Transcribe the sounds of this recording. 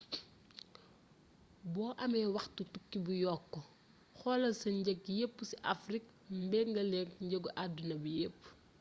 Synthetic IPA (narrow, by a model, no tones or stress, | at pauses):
bɔːʔɐmɛwɐxtutukːibujɔkːɔ | xɔlɐsɐɲɟɛkjepːusiʔafrik | mbɛŋɡɐlɛŋkɲɟəɡuʔadːunɐbijepː